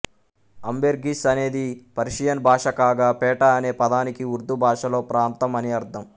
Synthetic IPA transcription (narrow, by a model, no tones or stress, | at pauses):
ɐmbeɾɡisɐne̞ːd̪ipɐɾiʂijɐnbʱaːʂɐkaːɡaːpɛːʈɐɐne̞ːpɐd̪aːnikiuɾd̪ubʱaːʂɐlo̞ːpɾaːnt̪ɐmɐniɐɾt̪ʰɐm